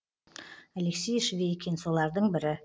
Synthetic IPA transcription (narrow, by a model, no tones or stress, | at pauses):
æleksʲejʃvʲejekʲʰenso̞lˠɑɾd̪əɴbɪɾɪ